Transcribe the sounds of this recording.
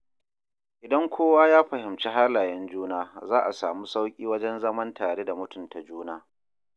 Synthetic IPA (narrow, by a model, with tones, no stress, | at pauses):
ʔɪ˨dɐ˦ŋkʷoː˦waː˦jaː˦ɸɐ˨hɪ˨mt͡ʃe˦ɦa˦laː˨jɐ˦nd͡ʒuː˦naː˦zaː˦ʔa˨saː˨mu˦sa˦wkʲʼiː˦wɐ˦d͡ʒɛ˦nzɐ˦mɐ˦ntaː˨ɽe˦da˨mʊ˦tʊ˨nta˨d͡ʒuː˦naː˦